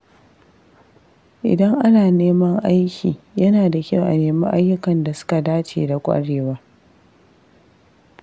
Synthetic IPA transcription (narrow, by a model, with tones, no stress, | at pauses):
ʔɪ̰˨dɐ˦ŋʔa˦naː˨neː˦mɐ˦ŋʔa˦jkʲiː˨jɐ˦naː˨da˨kʲa˦˨wʔa̰˨neː˨mɐ˦ʔa˦jːʊ˦kɐ˨nda˨sʊ̥˦ka˨daː˦t͡ʃḛː˨da˨kʷʼa̰˦ɽeː˨waː˦